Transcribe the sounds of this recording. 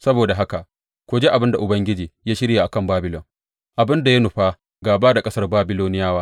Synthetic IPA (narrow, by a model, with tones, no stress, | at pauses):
sɐ˦boː˨da˨ɦa˦ka˨ʔ | kʷoː˨d͡ʒeː˦ʔa˨bɪ˦nda˨ʔʊ˨bɐ˦ŋɡʲɪ˦d͡ʒiː˨jaː˦ʃɪ˦ɾja˨ʔa˨kɐ˦˨mbaː˦bɪ˦lɔ˨ŋ | ʔa˨bɪ˦nda˨ja˦nʊ˨ɸaː˦ | ɡaː˨baː˦da˨kʼɐ˦sɐ˦rbaː˦bɪ˦loː˦nɪ˦jaː˦waː˦